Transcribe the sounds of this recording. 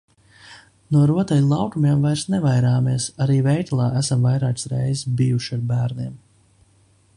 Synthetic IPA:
nuɔɾuɔt̪ajlˠɑwkumʲeɛmvajɾsnɛvajɾaːmiɛsaɾiːvɛjt̪lˠɑːʔæsamvajɾaːksɾɛ̰jzbijuʃiaɾbæːɾniɛm

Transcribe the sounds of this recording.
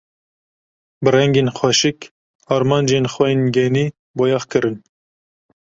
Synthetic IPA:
bɨrɛŋɡeːnxwɛʃɨk | ɑːɾmɑnd͡ʒenxwɛjenɡɛniː | bojɑxkɨɾɨn

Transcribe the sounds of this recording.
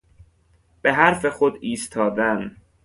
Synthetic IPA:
b̥e̞ɦæɾfe̞xod̪iːst̪ʰɒːd̪æn

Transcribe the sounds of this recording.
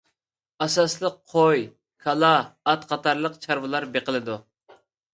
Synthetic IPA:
ɑsɑslˠəqʰoj | kʰɑlˠɑːt̪qʰɑt̪ɑɾlˠəqt͡ʃʰɑɾvɨlˠɑɾbeqəlˠɨd̪u

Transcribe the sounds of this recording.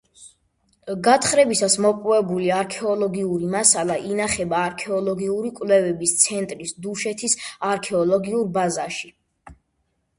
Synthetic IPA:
ɡat̪χɾɛbisasmɔqʼwɛbuliaɾkʰɛɔlˠɔɡiuɾimasalˠaʔinaχɛbaːɾkʰɛɔlˠɔɡiuɾikʼwlɛvɛbist̪sʰɛnt̪ʼɾisd̪uʃɛt̪ʰisaɾkʰɛɔlˠɔɡiuɾbazaʃi

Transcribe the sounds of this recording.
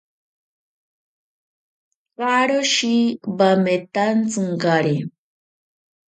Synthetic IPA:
ɣaɾoʃibamet̪ant͡sɨŋɡaɾi

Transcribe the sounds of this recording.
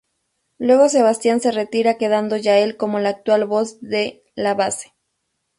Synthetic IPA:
lwe̞ɣos̬e̞β̞ast̪janse̞re̞t̪iɾake̞ð̞and̪o̞ʝae̞lko̞mo̞laːk̚t̪walβo̞zðe̞ | laβase̥

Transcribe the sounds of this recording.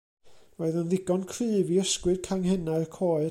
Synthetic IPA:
oɨðənðɪɡɔnkʰrɨːviəskwɨd̥kʰaŋhɛnarkʰoːɨ

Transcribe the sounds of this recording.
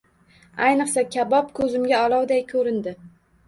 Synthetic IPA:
ajnɨqsakʲʰabɒp̚kʰɵzɪmɡʲaɒlˠɒwd̪ajkʰɵɾɪnd̪ɪ

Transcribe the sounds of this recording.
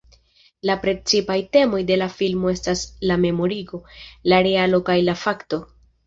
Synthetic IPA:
lapɾe̞t͡sipajte̞mo̞jde̞lafilmo̞e̞staslame̞mo̞ɾiɡo̞laɾe̞alo̞kajlafakto̞

